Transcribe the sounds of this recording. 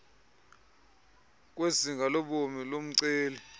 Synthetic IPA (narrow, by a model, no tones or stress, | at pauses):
k̬ʼwesiŋɡʱaloɓomilom̩ǀeːlɛ